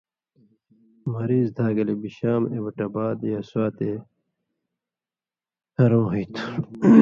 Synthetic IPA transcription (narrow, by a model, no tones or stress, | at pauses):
mɐɾiːzd̪ʱaːɡɐlebiɕaːmebɐʈɐbaːd̪jaːswaːt̪e | hɐɾõːɦijt̪ʰu̥